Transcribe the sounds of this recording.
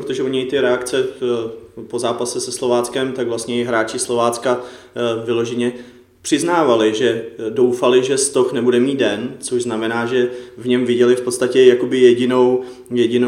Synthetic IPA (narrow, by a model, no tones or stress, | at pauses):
pɾot̪oʒɛoɲɛjt̪ɪɾɛakt͡sɛ | po̞zaːpasɛsɛslo̞vaːt͡skɛmt̪aɡvlastɲɛjɪɦɾaːt͡ʃɪslo̞vaːt͡ska | vɪlo̞ʒɛɲɛ | pr̥ɪznaːvalɪʒɛdo̞wfalɪʒɛst̪oxnɛbudɛmiːt̪̚dɛnt͡soʒznamɛnaːʒɛvɲɛmvɪɟɛlɪfpo̞t̪st̪acɛjako̞bɪjɛɟɪno̞w | jɛɟɪno